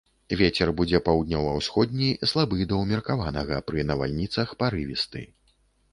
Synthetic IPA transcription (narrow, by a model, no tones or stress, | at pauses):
vʲet͡sʲɛrbud͡zʲɛpawd̪ʲnʲɔwɐwsxɔd̪̚ʲnʲislˠabɨd̪ɐwmʲirkavanɐɣɐpɾɨnɐva̰lʲnʲit̪sɐxpaɾɨvʲist̪ɨ̰